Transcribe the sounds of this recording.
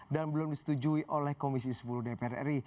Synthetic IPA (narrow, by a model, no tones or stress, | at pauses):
danbəlʊmdisə̥t̪ud͡ʒuiʔolɛhkomisisə̥puluhdepɛɾɛ̰ɾi